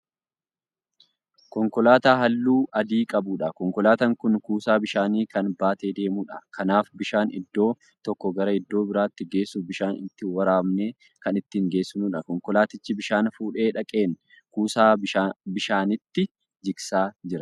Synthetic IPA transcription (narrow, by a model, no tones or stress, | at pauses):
kɔŋkɔlaːt̪aːɦɐlːuːʔɐd̪iːkʼɐbʊᶑɐkɔŋkɔlaːt̪ɐŋkʊnkuːsaːbɪʃaːniːkɐnbaːt̪eːd̪e̞ːmuːᶑɐkʰɐnaːfbɪʃaːnɪ̰d̪ːo̞ː | t̪ɔkːɔɡɐɾɐɪd̪ːo̞ːbɪɾaːt̪ːɪɡe̞ːsːʊbɪʃaːnɪt̪ːɪwɐɾaːmneː | kɐnɪt̪ːiːŋɡe̞ːsːʊnuːᶑɐkɔŋkɔlaːt̪ɪt͡ʃːɪbɪʃaːnfuːᶑe̞ːᶑɐkʼe̞ːn | kuːsaːbɪʃaːnɪt̪ːɪ | d͡ʒɪksaːd͡ʒɪɾɐ